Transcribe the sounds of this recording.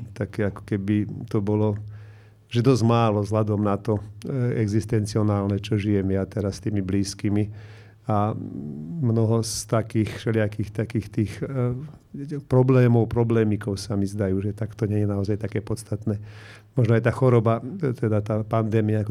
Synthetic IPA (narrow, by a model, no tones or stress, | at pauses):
t̪akɛakɔ̥kɛbit̪ɔbɔlɔ | ʒɛd̪ɔzɟmaːlɔvzɦlad̪ɔmnat̪ɔɛɡzist̪ɛnt͡siɔnaːlnɛt͡ʃɔʒijɛmjat̪ɛɾast̪iːmibliːskimi | a | mnɔɦɔst̪akiːxfʃɛlɪakixt̪akiːxt̪iːx | pɾɔblɛːmɔʊpɾɔblɛːmikɔʊsamizd̪ajuːʒɛt̪akt̪ɔɲɛɲɛnaɔzajt̪akɛːpɔtt͡sst̪at̪nɛː | mɔʒnɔajt̪aːxɔɾɔbat̪ɛd̪at̪aːpand̪ɛːmiaakɔ